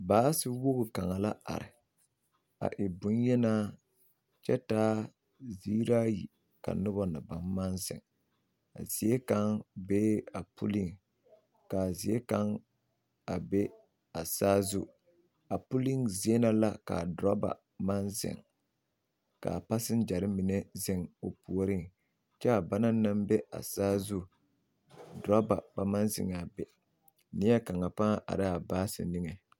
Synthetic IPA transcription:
baː˦sɨ˦wʊ˦ɣʊ˨ka˨ŋa˨la˦a̰˨ɾɪ̰˨ | a̰˨ʔɪ˨bʊ˦njɛ˦naː˦ | t͡ʃɛ˦taː˦ | ziː˦ɾa˦jḭ˨ | ka̰˨nʊ˦bɔ˦nɨ˨ba˨mːa˦nzɪ̰˨ŋ | a̰˨z̥i˨e˦ka˦ŋbeː˦a˨pṵ˦li˦ŋ | ka˨zi˨e˦ka˦ŋ | a˨be˦ | a˨saː˦zʊ˦ | a˨pu˦li˦ŋzi˨˦e˦na˦la˦ka̰˨dɾa˦ba̰˨ | ma˦nzɪ̰˨ŋ | ka̰˨pa˦sɪ˦n˦d͡ʒa˨ɾɨ˦mi˨nɛ˦zɪ˦ŋo˨pu˨o˦ɾɨ˦ŋ | t͡ʃɛ˦a˨ba˦na˦na˦mbɛ˦a̰˨saː˦zʊ˦ | dɾa˦ba̰˨ba˨ma˦nzɪ̰˨ŋ˨a˨bɛ˨ | ni˦ja˦ka˨ŋa˨pa˦ʔa̰˨ɾa˦a˨baː˦sɨ̰˨nɨ˦ŋɛ˨

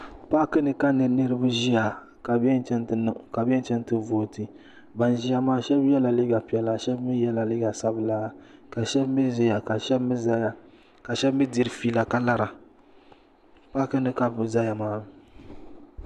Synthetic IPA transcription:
pa˦kɨ˦nɨ˨ka˦nɨ˨nɨ˦ɾɨ˦bɨ˦ʒi˦ja˨ | ka˨bɛ˦n˦t͡ʃɛ˦ntn˨ka˨bɛ˦nt͡ʃɛ˦n˦tɨ˦voː˨tɨ˨ | ba˨n˨ʒi˦a˦maː˦ʃɛ˦bjɛ˦la˨li˦ɡa˨pi˨ɛ˨la˨ʃɛ˦bmi˦jɛ˦la˨li˦ɡa˨sa˦bɨ˨˦la˦ka˨ʃɛ˦bmi˦zi˦ja˨ka˨ʃɛ˦bmi˦za˦ja˨ | ka˨ʃɛ˦bmi˦di˨ɾɨ˨fi˦la˨ka˦la˦ɾa˨ | pa˦kɨ˦nɨ˨ka˦bza˦ja˨maː˦

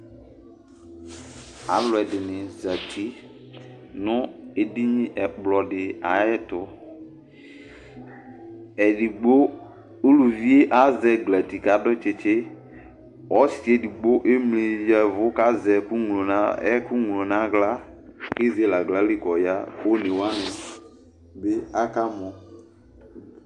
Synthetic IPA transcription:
a̰˨˦vlʊ˨ɛ˨dɪ˨nɪ˨za˨tʰi˦ | nʊ˦e˨di˦ɲĩ˦ʔɛ˨k͡plɔ˨dɪ˨a˨ɛ˦tʊ˨ | ɛ˨di˨ɡ͡bo˦ | o˦lu˨vi˦e˦ʔa˦zɛ˨ɡla˨ti˨ka˨˦dʊ˦t͡ʃɪ˨t͡ʃɪ˦ | ɔ˦si˨ɛ˨di˨ɡ͡bo˦ʔe˦mle˨jɛ˨vʊ˨˦ka˦zɛ˨ku˦ŋ˨lo˨na˦ɛ˦kʊ˦ŋu˨lo˨na˦ɡla˦ke˦ze˦la˨ɡla˨˦lɪ˦kɔ˨ja˦o˦nɪ̃˨wa˦nɪ˨ | be˦a˦ka˦mɔ̃˨

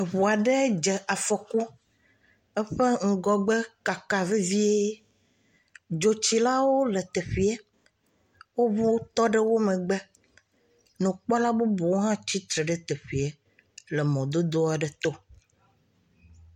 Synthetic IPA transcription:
e˨βo˨a˨ɖe˦d͡ʒɛ˨ʔa˨fɔ˨ku˦ | ɛ˦ɸe˦ŋ̩˨ɡɔ˨ɡ͡be˦ka˨ka˨vi˦vi˦e˦ | d͡ʒo˨t͡ɕi˦la˦wo˦le˨t̪e˨ɸi˦e˦ | wo˦βu˦wo˦t̪ɔ˦ɖɛ˦wo˦mẽ˨ɡ͡bɛ˦ | nũ˨k͡pɔ˦la˦bo˦bo˨wo˦ɦã˦t͡ɕi˦t̪ɾe˨ɖe˦t̪e˨ɸi˨e˦ | le˨mɔ̃˨d̪o˦d̪o˦a˨ɖɛ˨t̪o˦

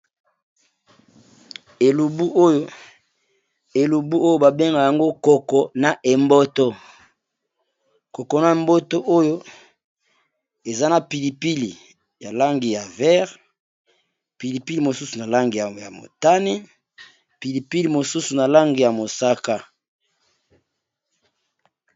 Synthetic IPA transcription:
e˨lu˨bu˦ʔo˦jo˦ | e˨lu˨bu˦o˦jo˦ba˨be˦ŋɡa˨ja˨ŋɡo˦kɔ˨kɔ˨na˨ʔe˨mbo˦to˦ | ko˨kɔ˨na˨e˨mbo˦to˦ʔo˦jo˦ | e˨za˦na˨pi˨li˨pi˦li˨ | ja˨la˦ŋɡi˨ja˨vɛ˦ʁ | pi˨li˨pi˦li˨mo˨su˦su˨na˨la˦ŋɡi˨ja˨ja˨mo̰˨ta˦ni˦ | pi˨li˨pi˦li˨mo˨su˦su˨na˨la˦ŋɡi˨ja˨mo˨sa˦ka˦

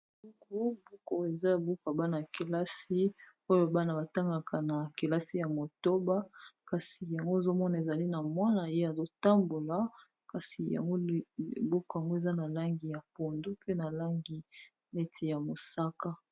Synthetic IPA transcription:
u˦ŋɡo˦bu˦ko˨e˨za˦a˨bu˦ka˨ba˦na˨ke˨la˦si˦ | o˦jo˦ba˦na˨ba˨ta˦ŋɡa˨kʰa˨na˨ke˨la˦si˦ja˨mo˨to˦ba˦ka˨si˨ja˨ŋɡo˦e˨zo˦mɔ˦na˨e˨za˨li˦na˨mwa˦na˨je˦a˨zo˦ta˦mbo˨la˨ | ka˨si˨ja̰˨ŋɡo˦˨bo˦ko˨ja˨ŋɡo˦e˨za˦na˨la˦ŋɡi˨ja˨po˨ndu˦pe˦na˨la˦ŋɡi˨ | ne˦tʰi˨ja˨mo˨sa˦ka˦

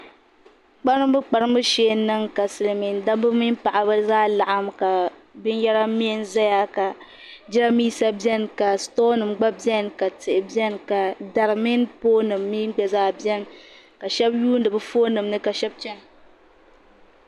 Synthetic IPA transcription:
k͡pa˦ɾɨ˦m˦bɨ˦k͡pa˨ɾɨ˦m˦bɨ˦ʃeː˦nɨ˦ŋka˨sɨ˨lmi˨nda˦bɨ˦mi˦npa˨ʔa˨bɨ˦zaː˦la˨ʔa˦mka˨bɨ˦n˦jɛ˦ɾa˦mi˦n˦za˦ja˦ka˨ | d͡ʒɪ˦a˦miː˦sa˦bjɛ˦nka˨stoː˦nɨ˨mɡ͡ba˦bɛ˦nka˨tɨ˨ʔɪ˨bɛ˦nka˨da˨ɾɨ˨mi˦npoː˦nɨ˨mːi˦ɡ͡bɛ˦˨zaː˦bjɛ˦n | ka˨ʃɛ˦bjuː˦n˦dɨ˨bɨ˦foː˦nɨ˨mnɨ˦ka˨ʃɛ˦b̚t͡ʃɛ˦n˨

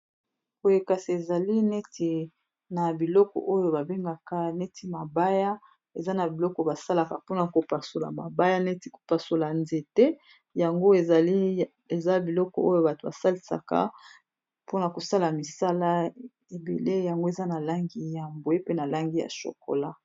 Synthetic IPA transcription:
ko˨e˨ka˨si˨e˨za˨li˦ne˦tʰe˨ | na˨bi˨lɔ˦kɔ̰˨ʔo˦jo˦ba˨be˦ŋɡa˨ka˨ne˦ti˦ma˨ba˦ja˦ | e˨za˦na˨bi˨lɔ˦kɔ˨ba˨sa˦la˨ka˨po˦na˨ko˨pa˨so˨la̰˨ma˨ba˦ja˦ne˦ti˦ko̥˨pa˨so˨la˨nze˨tɛ˦ | ja˨ŋɡo˦e˨za˨li˦ | e˨za˦bi˨lɔ˦kɔ̰˨ʔo˦jo˦ba˨to˨ba˨sa˦li˨sa̰˨ka̰˨ | po˦na˨ko˨sa˦la˨mi˨sa˦la˦ | e˨bḛ˨le˦ja˨ŋɡo˦e˨za˦na˨la˦ŋɡi˦ja˨mbo˨e˦pe˦na˨la˦ŋɡi˦ja̰˨ʃo̰˨ko̰˨la˦

